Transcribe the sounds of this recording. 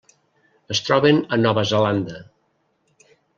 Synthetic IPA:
əst̪ɾɔβenənɔβəzeland̪ə

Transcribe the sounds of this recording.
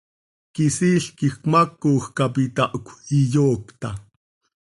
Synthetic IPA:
kisiɬkixkmakːuːxkapit̪aʔkʷʰijoːkt̪a̰

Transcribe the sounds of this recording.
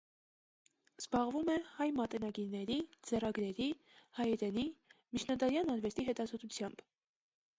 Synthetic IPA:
z̥bɑʁvumɛhɑjmɑt̪ɛnɑɡiɾnɛɾid͡zɛrɑɡɾɛɾi | hɑjɛɾɛnimit͡ʃʰnɑd̪ɑɾjɑnɑɾvɛst̪iɦɛt̪ɑzɔt̪ʰut͡sʰjɑmb̥

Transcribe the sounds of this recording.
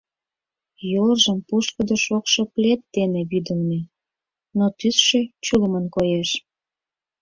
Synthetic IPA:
jolʒəmpuʃkəd̪əʃokʃoplʲet̪ːeneβyd̪ə̆lne | not̪ysʃet͡ɕuləmənkojeʃ

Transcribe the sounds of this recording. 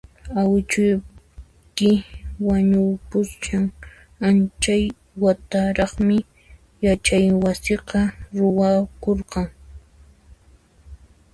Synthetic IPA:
awɪt͡ʃʊj | kɪwaɲʊpʊst͡ʃaŋ | ant͡ʃaj | wat̪aɾɑχmɪ | jat͡ʃajwasɪqɑɾʊwakoɾqɑŋ

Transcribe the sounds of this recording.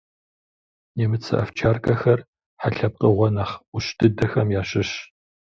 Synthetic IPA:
neːmɨt͡sʰɨ̰ʔɐft͡ʃʰaːrkʰʼɐxɐr | ħaɬɐp̚qəʁʷɔnɐχʷʊɕdʰɨdɐxɐmjaːɕɪɕ

